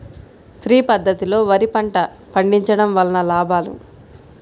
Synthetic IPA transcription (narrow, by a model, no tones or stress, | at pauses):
sɾiːpɐd̪ʱːɐt̪ilo̞ːʋɐɾipɐɳʈɐ | pɐɳɖiɲt͡ʃɐɽɐmʋɐlɐnɐlaːbaːlṵ